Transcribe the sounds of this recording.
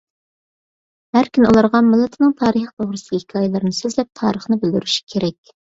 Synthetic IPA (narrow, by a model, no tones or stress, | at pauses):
hæɾkʲʰynolˠɑɾʁɑnmɨlˠːɨt̪ʰɨnɨŋt̪ʰɑːɾəχp̪ʰoʁɾɨsɨ̥hɪkʰɑːjɛlˠɨɾnɨsøzlɛp̚t̪ʰɑ̰ːɾəχnɨbɪld̪yɾyʃi̥kʲʰeɾɛkʲ